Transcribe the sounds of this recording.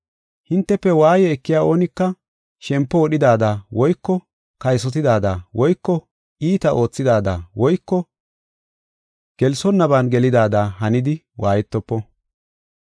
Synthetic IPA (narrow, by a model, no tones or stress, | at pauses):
hɪnt̪ːɛpːɛwaːjɛːkːɪjaːo̞ːnɪkːɐ | ʃɛmpːɔwɔɗɪd̪aːd̪aːwɔjkːɔ | kɐjsɔt̪ɪd̪aːd̪aːwɔjkːɔ | iːt̪ɐʔo̞ːt͡sːɪd̪aːd̪a̰ːwɔjkːɔ | ɡ̥ɛlsɔnːɐbanɡɛlɪd̪aːd̪aːɦɐnɪd̪ɪ | waːjɛt̪ːɔpːɔ